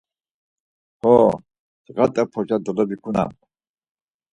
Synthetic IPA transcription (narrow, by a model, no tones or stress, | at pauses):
hɔ | dɣat̪ʼɛpʰɔd͡ʒad̪ɔlɔbikʰuna̰m